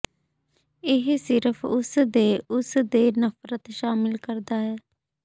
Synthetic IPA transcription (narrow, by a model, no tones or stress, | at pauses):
ɪɦsɪɾəfʰʊsd̪eːʊsd̪eːnəfɾət̪ʃaːmɪlkəɾd̪aːɦɛː